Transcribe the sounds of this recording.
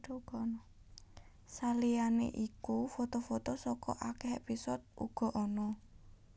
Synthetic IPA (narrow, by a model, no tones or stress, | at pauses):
ɡ | salijanḛʔikufot̪ofot̪osɔkɔʔakɛhepisɔt̪̚uɡ̥ɔ̤ʔɔnɔ